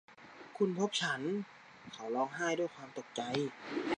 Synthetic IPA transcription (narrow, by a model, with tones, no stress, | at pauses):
kʰu˧˥˨npʰo˧˦˥p̚t͡ɕʰa˦˥n | kʰa˨˩wlɔː˧ŋɦaː˥˩jdu˥˩˨jkʰwaː˧mt̪o˨˩k̚t͡ɕa˧j